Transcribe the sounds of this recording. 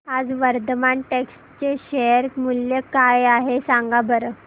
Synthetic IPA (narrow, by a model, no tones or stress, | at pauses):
ad͡zʋəɾd̪əmaɳʈeksʈt͡ɕeɕeəɾmuljəkajaɦesãŋɡabəɾə